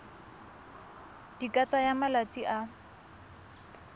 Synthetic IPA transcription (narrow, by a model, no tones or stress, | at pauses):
d̥ikʼat͡sʼajamalat͡sʼiʔa